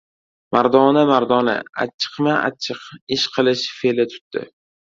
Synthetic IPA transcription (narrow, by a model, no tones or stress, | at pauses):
maɾd̪ɒnamaɾd̪ɒna̰a̰t͡ʃʰɨ̥qmaa̰t͡ʃʰɪqɪʃqʰɨlˠɪʃfelɪt̪ʰʊ̥t̪d̪ɪ̰